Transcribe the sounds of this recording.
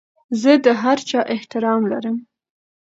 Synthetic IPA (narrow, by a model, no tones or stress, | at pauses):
zəd̪əɦaɾt͡ʃɑʔɪht̪ɪɾɑmla̰ɾəm